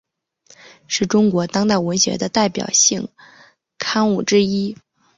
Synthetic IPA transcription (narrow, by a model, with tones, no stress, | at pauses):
ʂɻ̩˥˩ʈ͡ʂʊ˥ŋkwɔ˧˥t̪ɑ˥ŋt̪a˥˩ɪwə˧˥nɕɥɛ̰˧˥d̪ə˧t̪a˥˩ɪpjɑ̰˨˩ʊɕi˥˩ŋ | kʰa˥nu˥˩ʈ͡ʂɻ̩˥i˥